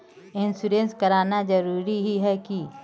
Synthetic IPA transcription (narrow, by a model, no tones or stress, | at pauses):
ɪnsuɾẽnskɐɾaːnad͡ʒɐɾuːɾiɦiɦɛki